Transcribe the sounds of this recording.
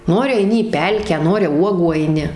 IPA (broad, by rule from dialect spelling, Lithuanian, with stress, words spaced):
ˈnoːrʲɪ ɐɪˈnʲɪ iː ˈpʲɛlʲkʲæː ˈnoːrʲɪ ˈuɔɡuː ɐɪˈnʲɪ